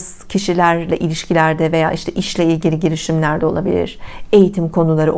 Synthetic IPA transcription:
z̥ | cʰiʃilʲæɾlʲɛʔilʲiʃcʰilʲæɾd̪ɛve̞ja̰ːʔiʃt̪ʰɛʔiʃlʲɛilʲɟilʲiɟilʲiʃimlʲæɾd̪ɛo̞lˠabilʲḭɾ̥e̞jit̪ʰimkʰo̞nulˠaɾɯ̰

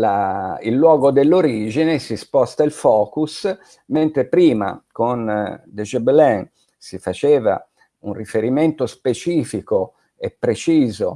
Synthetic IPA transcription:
lailːwɔːɡod̪elːoɾiːd͡ʒinesispɔst̪ailfɔːkus | ment̪ɾepɾiːma̰kond̪eʒɛblɛn | sifat͡ʃeːva̰ | unrifeɾiment̪ospet͡ʃiːfiko | epːɾet͡ʃiːzo̰

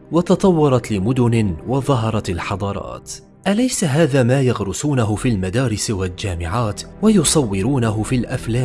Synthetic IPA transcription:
wɑt̪ɑt̪ˤɑwːɑɾˤɑt̪lɪmʊd̪ʊnɪwɑðˤɑɦɑɾˤɑt̪ɪlħɑd̪ˤɑːɾˤɑ̰ːt̪ | ʔalajsaɦaːðaːmaːjaɣɾʊsuːnaɦʊfiːlmad̪aːɾɪsɪwald͡ʒaːmɪʕaːt̪wajʊsˤɑwːɪɾuːnaɦʊfilʔaflaːm

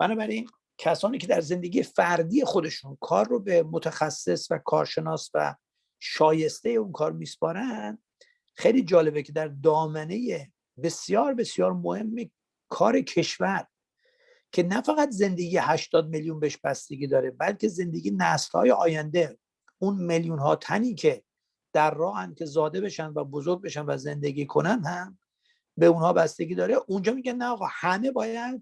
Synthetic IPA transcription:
b̥ænɒːbæɾin | cʰæsɒːniːcʰe̞d̪æɾze̞nd̪e̞ɡʲiːjefæɾd̪iːjexo̞d̪e̞ʃunkʰɒːrːobemot̪ʰæxæsːe̞svækʰɒ̰ːɾʃe̞nɒːsvæ̰ | ʃɒːje̞st̪ejeunkʰɒːɾmiːspɒːɾænd̪̥ | xejliːd͡ʒɒːle̞bekʰe̞d̪æɾd̪ɒːmæne̞je | be̞sjɒːɾbe̞sjɒːɾmohe̞mːe | kʰɒːɾe̞cʰe̞ʃvæɾ | cʰe̞næfæɣæt̪ze̞nd̪eɡijehæʃt̪ɒːd̪̚meljunbeeʃbæst̪e̞ɡʲiːd̪ɒːɾe̞bælcʰe̞ze̞nd̪e̞ɡiːjnæslhɒ̰ːjeʔɒ̰ːjænd̪e̞ | unmeljunɦɒ̰ːt̪ʰæniːcʰe̞ | d̪̥æɾːɒːhænd̪̚kʲʰezɒːd̪e̞be̞ʃænd̪væbozo̞ɾɡ̚be̞ʃænvæze̞nd̪eɡiːkʰonænhæm | be̞unhɒːbæst̪e̞ɡiːd̪ɒːɾeʔund͡ʒɒːmiɡænːæɒːɣɒːhæme̞bɒːjæd̪̚

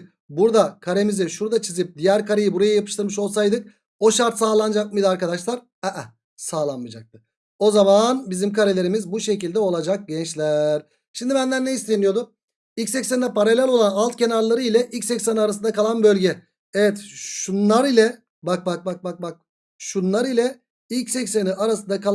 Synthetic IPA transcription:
buɾd̪akʰaɾe̞mizɛʃuɾd̪at͡ʃʰizip̚d̪ijæɾkaɾajɯbuɾajajapʰɯ̥ʃt̪ɯɾmɯʃo̞lˠsajd̪ɯk̚ | o̞ʃaɾt̪saːlˠand͡ʒakmɯjd̪ɯaɾkad̪aʃlˠaɾ | ɛʔɛ | saːlˠanmɯd͡ʒak̚t̪ɯ̥ | o̞zamanbizimkʰaɾelʲe̞ɾimizbuʃe̞cilʲd̪ɛo̞lˠad͡ʒak̚ɟɛnt͡ʃlʲæɾ̥ | ʃimd̪ibænd̪ænneist̪enijo̞d̪ʊ | ilʲcʲsɛcsænd̪ɛpʰaɾalʲælʲo̞lˠanalˠt̪̚cʰe̞naɾlˠaɾɯilʲɛʔilʲcʲsɛcseniaɾasɯnd̪akʰalˠanbø̞lʲɟɛ | evɛt̪ʃunlˠaɾilʲɛ | bak̚bak̚bak̚bak̚bak̚ | ʃunlˠaɾilʲɛ | ilʲcsɛcseniʔaɾasɯnd̪aka

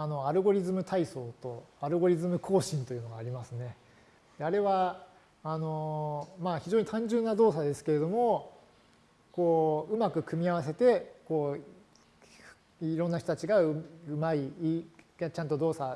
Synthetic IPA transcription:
ano̞aɾɯ̟ɡo̞ɾʲizɨmɯ̟t̪aiso̞ːt̪o̞aɾɯ̟ɡo̞ɾʲizɨmɯ̟kʰo̞ːɕĩnt̪o̞jɯ̟no̞ɡaːɾʲimasɨne̞ | d̪̥e̞aɾe̞βa | ano̞maːçiʑoːɲ̟it̪ãɲ̟d͡ʑɨ̃nːad̪o̞ːsad̪e̞sɨ̥ke̞ɾe̞d̪o̞mo̞ | ko̞ːɯ̟makɯ̟kɯ̟mʲiaβ̞as̬e̞t̪e̞ko̞ː | iɾõ̞nːaç̥it̪oat͡ɕiɡaɯɯ̟mai | t͡ɕãnt̪o̞d̪o̞ːsa

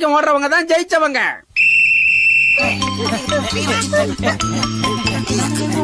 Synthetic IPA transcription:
kːɐmoːʈrɐʋɐŋɡɐt̪ːãːnd͡ʒɛjɪt͡ʃːɐʋɐŋɡɐ̰

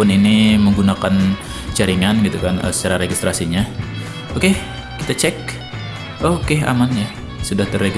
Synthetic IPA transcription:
ʊniniməŋɡunakan | t͡ʃaɾiŋanɡit̪ukanə̰sə̥t͡ʃaɾaɾeɡist̪ɾʔasiɲa | okeː | it̪at͡ʃɛk̚ | okea̰manɲa | sudaht̪əreɡ

